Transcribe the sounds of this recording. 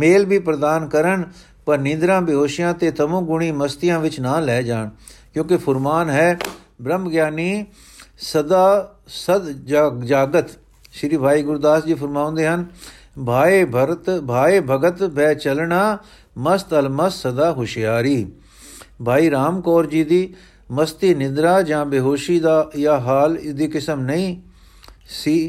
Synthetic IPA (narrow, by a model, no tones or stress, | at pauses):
meːlbʱiːpɾəd̪aːnkəɾəɳ | pəɾnɪ̃nd̪ɾãːbɪɦoːʃɪjãːt̪eːt̪əmõːɡʊɳ̃iːməst̪ɪjãːʋɪt͡ʃnãːlɛːd͡ʒaːɳkjõːkɪpʰʊɾmaːnɦɛː | bɾəmɡjaːniː | səd̪aː | səd̪d͡ʒd͡ʒaːɡət̪ | ʃɾiːbʱaːiːɡʊɾd̪aːsd͡ʒiːpʰəɾmaːõːnd̪eːɦən | baːebt̪bʱaːeːbʱəɡət̪bɛːt͡ʃəlɳaː | məst̪əlməssəd̪aːɦʊʃɪjaːɾiː | bʱaːiːɾaːmkɔːɾd͡ʒiːd̪iː | məst̪iːnɪnd̪ɾaːd͡ʒãːbeɦoːʃiːd̪aːɪjaːɦaːlɪd̪iːkɪsəmnəĩː | siː